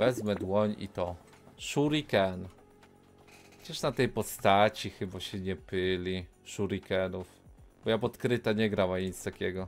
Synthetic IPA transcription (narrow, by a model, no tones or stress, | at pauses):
vɛzmɛd̪wɔɲḭt̪ɔ | ʂuɾikɛn | d͡ʑɛʂnat̪ɛjpɔst̪at͡ɕixɘbaɕɛɲɛpɘlʲi | ʂuɾikɛnufb̥ɔjapɔt̪kɾɘt̪aɲɛɡɾawaɲit̪st̪akʲɛɡɔ